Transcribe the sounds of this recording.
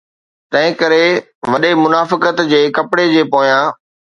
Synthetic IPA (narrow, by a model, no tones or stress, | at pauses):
t̪ɐ̃ɦɪ̃kɐɾe | ʋɐɗemʊnaːfɪkət̪d͡ʑeːkɐpɪɽed͡ʑeːpoːjãː